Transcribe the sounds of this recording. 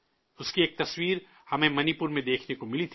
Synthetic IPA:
ʊskieːk̚t̪ɐswiːɾ | hɐmẽmɐnipʊɾmẽd̪eːkʰnekomɪlit̪ʰ

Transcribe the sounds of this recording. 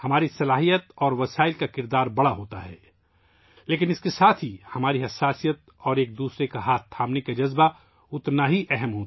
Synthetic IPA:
hɐmaːɾisɐlaːɦijət̪ɔːɾʋɐsaːɪlkakɪɾd̪aːɾbɐɽaɦoːt̪a̰ɦɛ̰ː | leːkɪnɪskesaːt̪ʰɦihɐmaːɾiɦɐsːaːsijət̪̚ | ɔːɾeːk̚d̪uːsɾekaɦaːt̪t̪ʰːaːpnekad͡ʒɐzba | ʊt̪naɦiʔɛɦɛmɦoːt̪

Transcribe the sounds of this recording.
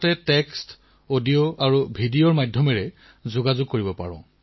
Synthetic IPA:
tɛtɛkst | odioʔaɹubʱidiɔɹmajdʱjɔmɛɹɛ | zʊɡazʊɡ̚koɹibɔpa̰ɹɔ̰̃

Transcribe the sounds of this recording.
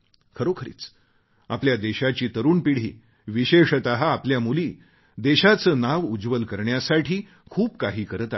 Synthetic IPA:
kʰəɾokʰəɾḭːt͡s | apljad̪eɕat͡ɕiːt̪əɾuːnpiɽ̤ḭː | ʋiɕeʂət̪əɦaːpljamuliː | d̪eɕat͡səːnaʋud͡zʋəlkəɾɳjasaʈʰiː | kʰuːp̚kaɦiːkəɾət̪a

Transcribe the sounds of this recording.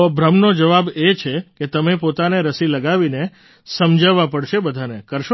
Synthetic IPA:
obɾəmnod͡ʒəʋabet͡ʃʰeket̪əmepot̪aneɾəsiləɡaʋine | səmd͡ʒaʋapəɽʃebəd̪ʱanekəɾʃo

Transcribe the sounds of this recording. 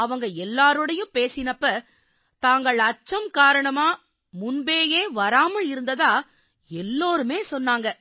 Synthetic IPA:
ɐʋɐŋɡɐɛlːaːɾɯɽɐjɯ̃peːsɪnɐpːɐ | t̪aːŋɡɐɭɐt͡ʃːɐmkaːɾɐɳɐmaː | mʊnbeːjeːʋɐɾaːmɐɭɪɾɯnd̪ɐðaː | ɛlːoːɾɯmeːsɔnːaːŋɡɐ

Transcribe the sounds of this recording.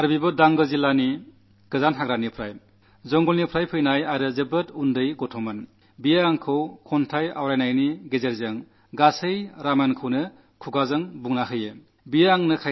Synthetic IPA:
aɾbibɯdaŋɡɯzilːani | ɡ̥ɯzanɦaɡɾanipʰɾaj | zɔŋɡɔlnipʰɾajpʰɯjnajaɾɯzɯbɯtundɯjɡɔtʰɔmɯn | bijaaŋkʰɯwkʰɔntʰaja̰wɾajnajniɡezeɾzɯŋ | ɡasɯjɾamankʰɯwnɯ | kʰuɡazɯŋbuŋnaɦɯje | bijaaŋnɯkʰa

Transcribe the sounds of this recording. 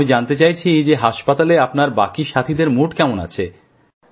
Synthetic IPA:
id͡ʑant̪et͡ɕajt͡ɕʰid͡ʑeɦaʃpat̪aleapnaɾbakiʃat̪ʰid̪eɾmuʈkɛmona̰t͡ɕʰe

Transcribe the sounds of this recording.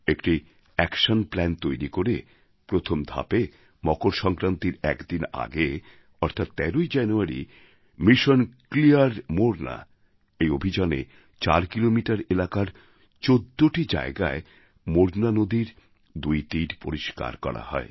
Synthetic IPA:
ekʈi | ɛkʃonplɛnt̪ojɾikoɾe | pɾot̪ʰomd̪ʱa̰pe | mɔkoɾʃɔŋkɾant̪iɾɛkd̪ina̰ɡe | ɔɾt̪ʰat̪ːɛɾojd͡ʑɛnuaɾḭ | miʃonkliaɾmoɾna̰ | ejobʱid͡ʑanḛ | t͡ɕaɾkilomiʈaɾelakaɾ | t͡ɕod̪ːoʈid͡ʑa̰eɡa̰e | moɾnanod̪iɾ | d̪ujt̪iɾpoɾiʃka̰ɾkɔ̰ɾa̰hɔ̰e

